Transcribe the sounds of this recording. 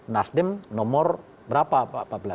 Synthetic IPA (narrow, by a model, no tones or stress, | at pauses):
nasdɪmnɔmɔr | bəɾapapapabəla